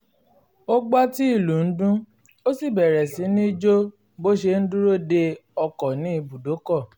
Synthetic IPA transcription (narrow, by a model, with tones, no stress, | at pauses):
o˦ɡ͡ba˦ti˦i˦˨lu˨n̩˦dũ˦ | o˦si˦˨bɛ˨ɾɛ˨si˨˦nĩ˦d͡ʒo˦ | bo˦ʃe˧n̩˦du˦ɾo˦de˧ɔ˧kɔ˨nĩ˦i˧bu˨do˨˦kɔ˦˨